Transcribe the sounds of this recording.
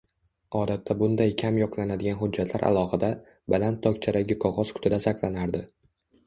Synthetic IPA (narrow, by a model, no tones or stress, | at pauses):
ɒd̪at̪ʰːabʊnd̪ajkʲʰamjɒqlˠanad̪ɪɡʲanɦʊd͡ʒːat̪ʰlaɾʔa̰lˠɒhɪd̪a | balant̪ʰːɒkʲt͡ʃʰaɾaɡʲɪqʰɒʁɒz̥kʰʊ̥t̪ʰɪd̪asaqlˠanaɾd̪ɪ